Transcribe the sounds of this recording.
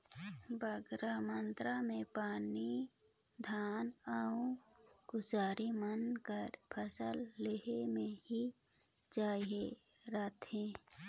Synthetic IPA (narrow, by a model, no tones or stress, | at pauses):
bəɡɾamənt̪ɾamẽpaːni | d̪ʱaːnaũ | ɡʊzaːɾimənkəɾpʰəsəlːeɦemẽɦi | d͡ʒaːie | ɾaːt̪hẽː